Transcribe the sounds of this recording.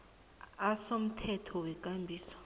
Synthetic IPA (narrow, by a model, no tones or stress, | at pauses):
asom̩tʰɛtʰɔwɛk̬ʼambʱiːswḁ